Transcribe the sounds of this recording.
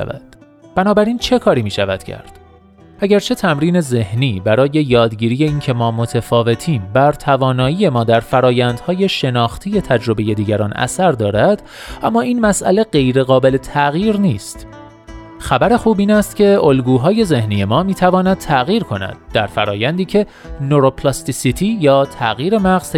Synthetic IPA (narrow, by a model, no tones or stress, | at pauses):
væ̰d̪̥ | b̥ænɒːbæɾiːnt͡ʃʰe̞kʰɒːɾiːmiːʃævæd̪̥cʰæ̰ɾd̪̥ | ʔæɟæɾt͡ʃʰe̞t̪ʰæmɾiːne̞ze̞hniːbæɾɒːje̞jɒːd̪ɟiːɾiːje̞iːncʰe̞mɒːmo̞t̪ʰefɒːve̞t̪ʰiːmbæɾt̪ʰævɒːnɒːiːje̞mɒːd̪æɾfæɾɒːjænd̪hɒːje̞ʃe̞nɒːxt̪ʰije̞t̪ʰæd͡ʒɾo̞be̞je̞d̪iːɟæɾɒːnʔæ̰sæɾd̪ɒːɾæd̪̥ | ʔæmːɒːiːnmæsʔæ̰le̞ɢe̞jɾe̞ɣɒːbe̞le̞t̪ʰæɣiːɾniːst̪ | xæbæɾe̞xuːbiːnæst̪cʲʰeolɡuːɦɒːje̞ze̞hniːje̞mɒːmiːt̪ʰævɒːnæd̪̥̚t̪ʰæɣiːɾkʰo̞næ̰d̪̥̚ːæɾfæɾɒːjænd̪iːcʰe̞ | noɾopʰlɒːst̪isit̪ʰiːjɒːt̪ʰæ̰ɣiːɾe̞mæɣz̥